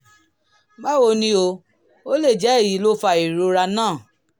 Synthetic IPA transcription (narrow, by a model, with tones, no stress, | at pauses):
ma˦wo˧nĩ˧o˧ | o˦le˦˨d͡ʒɛ˨˦e˦˨ji˨˦lo˦fa˧i˨ɾo˧ɾa˧nãː˦˨